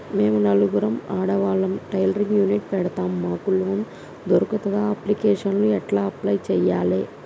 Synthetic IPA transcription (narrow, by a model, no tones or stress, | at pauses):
meːmunɐluɡuɾɐmaːɽɐʋaːɭɐmʈɐjlɐɾiŋɡjuːniʈ̚pɛɽɐt̪aːmːaːkuloːn | d̪oɾukɐt̪ɐd̪aɐplikɛːʂɐnluɛʈlaːɐplɐjt͡ʃɛːjaːleː